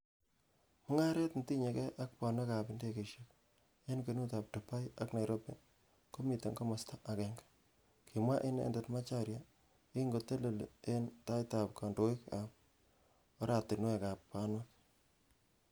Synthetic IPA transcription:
mʊ˦ŋa˦ɾe˦tn̩ti˦ɲe˨kɛ˦ʔa˦k̚pɔ˨ne˦ka˨pɪ˦nde˦ke˨ʃi˦k̚ | e˦nke˨nu˦ta˨p̚to˨pa˦ja˦kna˨jɾo˦pe˦ | ko˦mi˨te˨ŋɡo˦mɔ˨sta˦ʔa˨kɛ˨ŋɡḁ | kʰi˨mwa˦ʔe˦nḛ˨nde˨tma˦t͡ʃa˦ɾja˨ | i˦ŋɡo˨te˦le˨le˦nta˦jta˨p̚kɔ˨ndo˨wi˦kap̚ | o˦ɾa˨te˨nu˦ɛ˨ka˨ppa˦nwa˦k

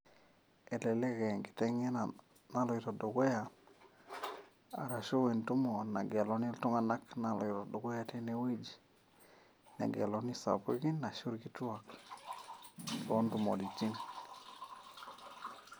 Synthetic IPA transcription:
e˨le˨le˦ke˨ŋɡi̥˨te˦ŋe˦n | na˦lɔ˨i˨to˨do˨ɡe˦ja˨ | a̰˨ɾa˨ʃo˦we˨ntu˦mo˨na̰˨ɡe˨lo˨ni˦ltu˦ŋa˨na˦kna˨lɔ˨i˨to˨do˨ɡe˦ja˦te˦ne˨wi˦d͡ʒ | na̰˨ɡḛ˨lo˨ni˦sa̰˨pu˦ɡi˦nːa˨ʃu˦ɾki˦tu˦a˨k | to˦ndu˨mo̰˨di˨t͡ʃi˦n

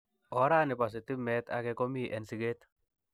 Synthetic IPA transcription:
ɔ˨˦ɾa˦nɪ˨pa˨s̬ɪ˨t̪ɪ˦mɛ˦t̪a̰kɛko˦mi˦ʔɛ˨nsi˨ɡe˦t̪

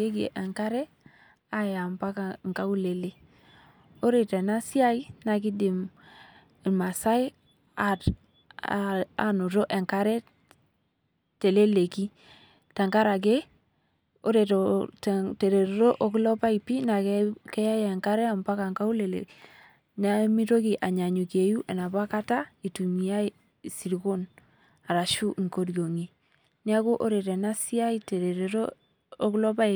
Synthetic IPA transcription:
e˦ɡḛ˨ʔe˨ŋka˦ɾe˦ | a˦ja˨mpa˦ka˨ŋ˨ka˦u˦le˨le˦ | o˦ɾe˨te˨na˦si˦a˦i˦na˨k̬i˦di˨m˨ | ma˨sa˦i˦ | a̰˦ | a̰˦nu˨ɾo˦ʔe˨ŋka˦ɾe˦ | te˨le˦le˨ki˦ | ta˨ŋka˦ɾa˨ɡe˦ | o̰˦ɾe˨to˨tte˨ɾe˨ɾe˨ɾo˦ʔɔ˦klɔ˦pa˦i˨pi˦na˨kkɛ˦ja˦ja˨ŋka˦ɾɛ˦a˨mba˦ka˨ŋka˦u˦le˨lḛ˨ | na˦mi˦to˦ki˨ʔa˨ɲa˨ɲu˨ke˨ju˦ʔɛ˨na˨ba˦ka˦ta˦i˨tu˨mi˨ja˦i˦ | si˨ɾi˨ko˦n | a˨ɾa˨ʃu˦ʔŋko˦ɾjo˨ŋi˨ | ni˦a˦ko˦ʔo˦ɾe˨tɛ˨na˦si˦a˦ite˨ɾe˨ɾe˨ɾo˦ | o˦klɔ˦pa˦

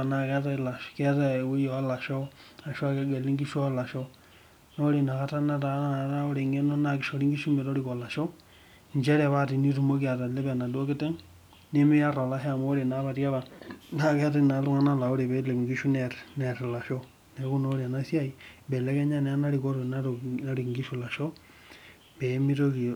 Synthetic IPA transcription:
a˨na˨kɛ˦ta˦i˨la˨ʃkɛ˦ta˦i˦jo˨˦la˨ʃo˦a˨ʃa˦ke˦ɡe˨li˦ŋɡi˦ʃo˦ala˨ʃo˦ | no˦ɾe˨na˨ka˦ta˦na˦ta˦a˦o˦ɾe˨ŋe˦no˦na˨ki˨ʃo˨ɾi˦ŋɡi˦ʃu˦me˨ɾo˦ɾi˨ko˨la˨ʃo˦ | ɲd͡ʒɛ˦ɾa˨βa˦ti˨ni˦tu˦mo˦ki˦a˨ta˨le˦βa˨na˨do˦ke˦te˦ŋ | ne˦mi˦ja˦ɾo˨la˦ɦe˦a˨mo˦ɾe˨na˨βa˨ɾja˦βa˨na˦ke˦te˦˨na˨lu˦ŋa˦na˦la˨o˦ɾe˨βe˦le˨ŋɡi˦ʃu˦neɾneɾla˨ʃo˦ | ne˨˦ku˦noɾi˨a˨na˦sja˦i˨bɛ˨le˦ke˦ɲa˦ne˨a˦na˦ɾiko˦ɾo˨n˦ɾona˦ɾi˨ŋɡi˦ʃu˨la˨ʃo˦ | bɛ˨˦mi˦ɾo˦ki˨

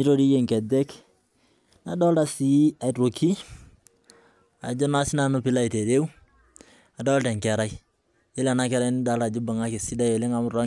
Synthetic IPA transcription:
i˦ɾo˦ɾi˦je˦˨ŋkɛ˨dɛ˦k | na˨˦dɔ˦lta˨si˨a˨ɾo˨kʰi˦ | a̰˨d͡ʒo˦na˦si˦na˦no˦pi˦la˦i˨te˨de˦w | a˨dɔ˦lta˨ŋkɛ˨ɾa˦j | je˦la˨na˦kɛ˦ɾa˦ni˦da˨˦lta˨d͡ʒu˦ba˨ŋa˦ke˨si˦da˦je˨le˦ŋa˨˦m˦ɾa˦

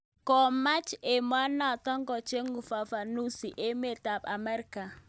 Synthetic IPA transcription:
kɔ˨ma˦t͡ʃe˨m˦a˦na˦˨tɔ˦ŋɡɔ˨t͡ʃe˦ŋɡu˨fa˨fa˨nu˦si˨ʔe˦me˦˨ta˨pa˨mɛ˦ɾka˨

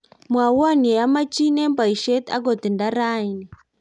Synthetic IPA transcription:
mwa˨wa˦ni˨ja˦ma˦t͡ʃi˦nɛ˦mba˨i˨ʃɛ˦t̪a̰˦ɡɔ˨ti˨nda˦ɾa˦i˨ni˨

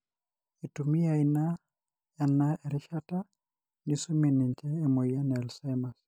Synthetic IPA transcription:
i˨tu˨mi˦ja˨ina | janaɛ˨ɾɪ˦ʃata˦ | nisu˦mi˨nɪ˨ɲt͡ʃɛː˦˨mo˨ja˦nɛ˨lsɛ˦ma˨s

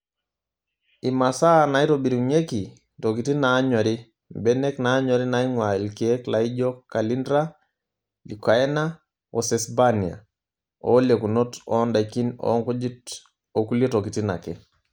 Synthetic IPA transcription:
ima˨sa˦na˨i˦tobi˨ɾi˨ɲe˦ki˨ | tok̬iti˦naɲɔ˨ɾi | bɛnɛkna˦ɲɔ˨ɾi˦naiŋwa˨i˨lkie˦klaiɟɔkalindɾa | lika˨ɛna | ɔ˨sɛsbani˨a̰˨ | ɔleku˨notɔ˦nda˨jki˦nɔ̰˦ŋku˦d͡ʒi˦t | oku˦letoki˨ti˦na̰˨kɛ

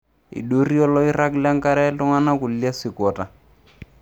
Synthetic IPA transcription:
ḭ˨ɗo˦ri˦ɔ˦lɔ˦i˦ra˦kla˦ŋ˦ka˦ɾɛ˦lʊ˦ŋa˦na˦kʊ˨llja˦sɪ˨kɔ˨ta˨

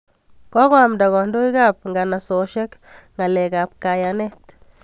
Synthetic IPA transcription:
kɔ˦kwa˨mda˨ɣɔ˨ndo˦ika˦p̚ŋɡa˨na˨soʃɛ˦kŋa˨lɛka˨p̚ka˨janɛ˦t

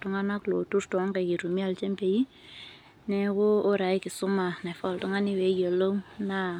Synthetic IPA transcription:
tu˦ŋa˦na˦klo˨tu˦ɾtwŋka˨ki˨ɾu˨mi˦a˦˨lt͡ʃɛ˦mpe˨ji˦ | nɛ˦koː˦ɾa˨i˦kɪ˨sʊ˦ma˨na˨fɔ˨ltu˦ŋa˦ni˦wɛ˨˦jo˨lo˦ŋna˦

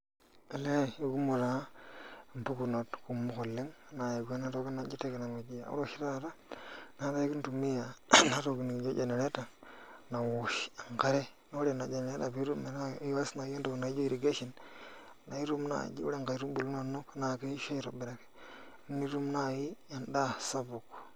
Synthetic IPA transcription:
e˨le˦˨ju˦ku˦mu˨ɾa˨˦˨m˨pu˦ku˨no˨tku˨mːu˦xo˨lːi˦ŋ˨na˨ji˨ɡʷe˦na˦to˦ki˦na˨˦d͡ʒi˦te˦ki˨na˨me˨d͡ʒi˨ja̰˨ṵ˦ɾo˦ʃi˦ɾa˦˨ɾa˦na˦ɾa˦i˦ki˦ntu˨mi˦ja˨na˦ɾo˨ki˨ni˨d͡ʒo˦d͡ʒe˨ne˨ɾe˦ta˨na˨wu˨ʃa˨ŋka˦ɾe˦ | no˦ɾe˨na˨d͡ʒe˨ne˨ɾe˦ta̰˨bi˦ɾu˦me˨ɾa˦wa˦sna˨i˦a˦to˨kna˨i˦d͡ʒo˦i˨ɾi˨ɡe˦ʃi˨n˨ | na˨i˦ɾu˦mna̰˨d͡ʒḭ˦ṵ˦a˦ŋka˨i˦ɾu˦mbu˨lno˦nːo˦kna˨ke˦i˦ʃo˦i˦ɾo˨bi˨ɾa˨ke̥˨˦ | ni˦ɾu˦mna˦˨ji˦ja˦nda˦sa˦bu˨k

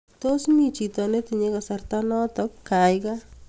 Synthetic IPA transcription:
to˦smi˨t͡ʃi˨tɔ˨ne˦t̪i˨ɲe˦ka˨sa˨rt̪a˦nɔ˦t̪ɔ˦kka˨jka˦

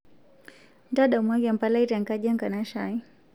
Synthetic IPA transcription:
nda˦ɗa˨mwa˦ɡa˨mpa˦la˦i˦ɾa˨ŋka˦ʄa˦ŋka˨na˦ʃa˨i˦

